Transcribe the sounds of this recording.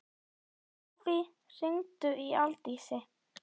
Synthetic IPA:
vi | r̥ɪŋt̪ʏʔialt̪isɪ

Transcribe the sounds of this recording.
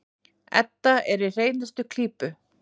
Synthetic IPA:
ɛ̰t̪ːaɛɾir̥eːjnast̪ʏkʰl̥iːpʏ

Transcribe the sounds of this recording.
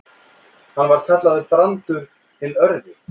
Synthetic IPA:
hanːvaɾ̥t̪ʰɛt̪laðɪpɾant̪ʏɾ̥ | t̪ʰɪlœɾðɪ

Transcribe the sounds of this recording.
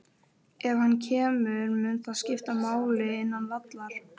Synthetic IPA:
ɛv̥hanːcʰɛːmʏɾmʏnθaðscɪft̪amaːwlɪɪnːanvat̪laɾ̥

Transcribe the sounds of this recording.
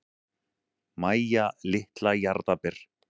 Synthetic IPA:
maːjalɪht̪lajaɾt̪apɪɾ̥

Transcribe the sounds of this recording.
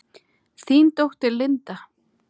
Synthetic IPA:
θiːnt̪owht̪ɪlːɪnt̪a

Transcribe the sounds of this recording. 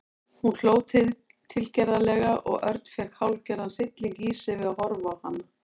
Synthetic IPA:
hunl̥oːwt̪ʰɪ | t̪ʰɪlcɛɾðalɛɣaʔɔ̰ɣʔœɾt̪n̥fɛkhawlcɛɾðanθɪt̪lɪŋkiːsɪvɪðahɔɾvawhanːa

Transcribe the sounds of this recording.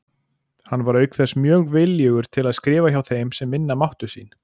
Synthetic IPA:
hanːvaɾœːɥkθɛsmjœːɣvɪljʏːɣʏɾ̥t̪ʰɪlaðskɾɪːvaçawθejmsɛmːɪnːamawht̪ʏ̥sḭːn

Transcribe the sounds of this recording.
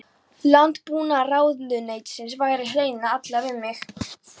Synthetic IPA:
lant̪puːnaraːwðlʏnejt̪sɪnsvajɾɪɦeːjnaat̪lavɪðmɪx

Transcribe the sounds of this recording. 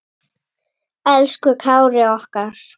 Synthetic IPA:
ɛlskʏkʰawɾɪɔhkaɾ̥

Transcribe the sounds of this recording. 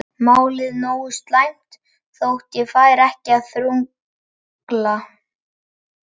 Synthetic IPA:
maːwlɪðnoːwʏst̪lajm̥t̪ | θowht̪jɛfaːjɾɛhcɪaðθɾuŋ | kla

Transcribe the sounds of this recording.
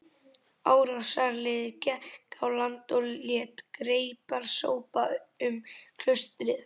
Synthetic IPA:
aːwɾawsaɾlɪðcɛkawlant̪ɔlljɛt̪kɾeːjpaɾ̥so̰ːwpaʏmkʰl̥œst̪ɾɪð

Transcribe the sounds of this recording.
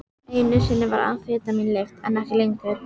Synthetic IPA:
ejnʏsɪnːɪva̰ɾa̰nfɪːt̪aminleft̪ɛnːɛhcɪlejŋkɛ

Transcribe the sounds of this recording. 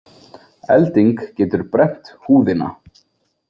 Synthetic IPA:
ɛ̰lt̪iŋkcɛːt̪ʏɾpɾɛm̥t̪huːðɪna̰

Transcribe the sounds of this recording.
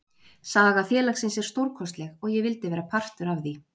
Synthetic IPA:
saːɣafjɛːlaxsɪnsɛɾ̥st̪owɾkʰɔst̪lɛɣɔɣjɛɣvɪlt̪ɪvɛːɾapʰar̥t̪ʏɾavði

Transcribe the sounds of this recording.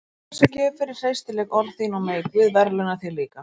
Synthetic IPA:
ɛsacɛːvʏfɪɾɪɾ̥sejst̪ɪlɛɣɔɾðθinɔmeːjkvʏːðvɛɾlɛnaθiliːka

